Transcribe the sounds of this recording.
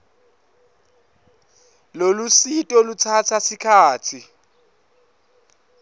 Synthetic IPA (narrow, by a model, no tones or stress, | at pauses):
lolusitʼɔlut͡sʰat͡sʰasɪkʰaːt͡sʰi